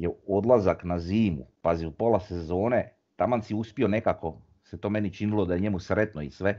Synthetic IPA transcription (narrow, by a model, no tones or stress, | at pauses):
jeo̞d̪lazaknaziːmṵpaziupo̞lase̞zo̞ːne | t̪amansiuspio̞ne̞kako̞ | set̪oːme̞nit͡ʃinilo̞d̪ajeɲe̞musɾet̪noisʋe